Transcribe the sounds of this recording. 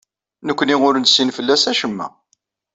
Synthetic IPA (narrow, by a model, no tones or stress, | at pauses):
nəkʷːniŋʊɾnsːinfəlːæsæʃəmːæ̰